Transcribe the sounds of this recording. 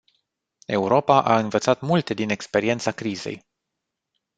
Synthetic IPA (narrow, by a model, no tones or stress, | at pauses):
e̞uɾo̞paʔaɨnvət̪sat̪mult̪e̞d̪ine̞kspe̞ɾie̞nt̪sakɾize̞̰j